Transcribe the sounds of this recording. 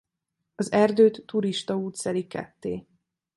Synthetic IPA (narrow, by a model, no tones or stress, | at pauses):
ɒzɛrd̪øːt̪ːuɾiʃt̪ɒuːt̪sɛlikɛ̰t̪ːḛː